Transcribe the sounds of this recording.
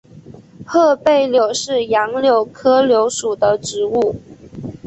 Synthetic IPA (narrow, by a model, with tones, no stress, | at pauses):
xɤ˥˧pe˥˩ɪljo˨˩ʊʂɻ̩˥˩jɑ˧˥ŋljo˨˩ʊkʰɤ˥ljo˧˥ʊʂu˨˩d̪ə˦ʈ͡ʂɻ̩˧˥u˥˩